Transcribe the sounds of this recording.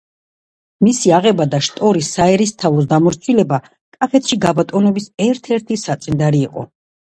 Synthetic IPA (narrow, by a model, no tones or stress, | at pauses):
misiaʁɛbad̪aʃt̪ʼɔɾisaɛɾist̪ʰavɔs̬d̪amɔɾt̪sʰwilɛba | kʼapʰɛt̪ʰʃiɡabat̪ʼɔnɔbisɛɾt̪ʰɛɾt̪ʰisat̪sʼind̪aɾiːqʼɔ̰